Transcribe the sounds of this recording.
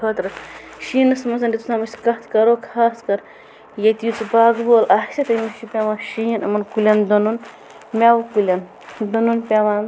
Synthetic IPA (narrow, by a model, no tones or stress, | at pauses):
ət̪ɾɨʃiːnɐsmɐsɐnd̪ʲit̪usaːmɐsʲkɐt̪ʰkɐɾoːkʰaːskɐɾ | jɐt̪ijut͡sɨbaːɡboːlʔaːhsʲɐt̪ɐmiʃupʲaʋaːnʃijinɐmɐnkulʲɐnd̪onun | mʲawkulʲɐn | d̪onunpʲaʋaːn